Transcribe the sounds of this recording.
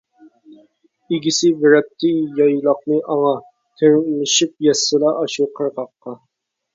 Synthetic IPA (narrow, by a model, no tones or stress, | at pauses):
iɡʲisɪbɪɾɛp̚t̪ʰːɪjɑjlˠɑq̚nɨʔɑŋɑ | t̪ʰeɾmɪʃip̚jɛsːɨlɑʔɑʃuqʰəɾʁɑqːɑ